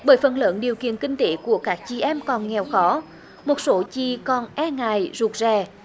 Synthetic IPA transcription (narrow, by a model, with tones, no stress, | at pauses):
ɓəː˧˦jfə˨˩nləː˧˨˦nɗi˨˩əwkḭ˧˨ənkï˧ŋ̟t̪e˨˦ku˧˩əkaː˦˥k̚t͡ɕi˧˩ʔɛ˧mkɔ˨˩nŋɛ˨˩wxɔ˨˦ | mo˨˩t̚so˨˦t͡ɕi˧˨kɔ˨˩nʔɛ˧ŋaː˧˨jzu˨˩k̚zɛ˧˨˩